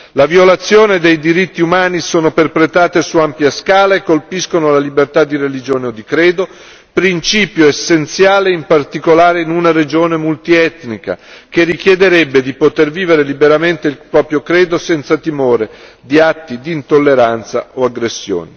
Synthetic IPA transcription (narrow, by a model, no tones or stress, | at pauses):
lavjolat̪sːjoːned̪ejd̪iɾit̪ːiumaːnisoːnoperpɾet̪aːt̪esuampjaskaːlaekːolpiskonolalibert̪ad̪ːirelid͡ʒoːneod̪ːikɾeːd̪o | pɾint͡ʃiːpjoesːent̪sjaːleimpart̪ikolaːɾeinunaɾed͡ʒoːnemult̪iɛt̪nika̰kerːik̟jɛd̪eɾɛbːed̪ipot̪erviːveɾelibeɾament̪eilpɾɔːpɾjokɾɛːd̪osɛnt̪sat̪imoːɾed̪iat̪ːid̪iːnt̪olːeɾant̪sa̰oaɡɾesːjo̰ːne